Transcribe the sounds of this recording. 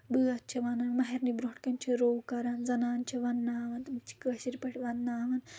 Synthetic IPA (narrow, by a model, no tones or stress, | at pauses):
bɨːɐt̪̚t͡ʃʰɐʋɐnanmɐɦeɾnibɾoʈkɐnʲt͡ʃʰɐɾoːwkɐɾanzɐnaːnt͡ʃʰɐʋɐnːaːʋɐnt̪ɨmt͡ʃʰi̥kəːʃiɾpɐʈʰiʋɐnːaːʋɐn